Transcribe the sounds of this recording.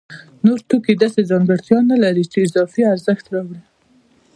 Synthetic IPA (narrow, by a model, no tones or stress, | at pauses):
noɾt̪ukid̪ɑsezɑŋɡəɽt̪jɑnalaɾit͡ʃeːzɑfiaɾzəxt̪ɾɑwɽi